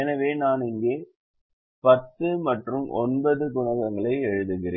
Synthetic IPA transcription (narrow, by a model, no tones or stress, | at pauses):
ɛnɐʋeːnaːnɪŋɡeː | pɐt̪ːɯmɐʈrɯmʔɔ̰nbɐðɯkʊɳɐɣɐŋɡɐɭɐɪɛɻɯðɯɣɪɾḛː